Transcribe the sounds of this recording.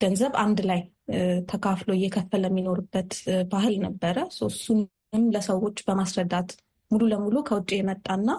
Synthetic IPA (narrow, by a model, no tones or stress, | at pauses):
ɡ̥ənzəβand̪laj | t̪ʰəkʰafloɪjːɛkʰəfːələmːino̞ɾubːət̪baɦɨlnəbːəɾəsosːun | ɨnləsəwo̞t͡ʃːbəmasɾəd̪ːat̪ | mululəmulukʰəwʊt͡ʃʼːijɛmət̪ʼːanːa